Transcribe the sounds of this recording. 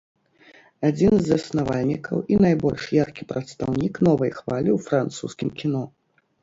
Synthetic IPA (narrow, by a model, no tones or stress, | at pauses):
ad͡zʲinzɐsnavalʲnʲikɐ̰winajbɔlʲʂjarkʲipɾɐt̪st̪awnʲiknɔvɐjxvalʲiwfɾant̪sṵskʲimkʲinɔ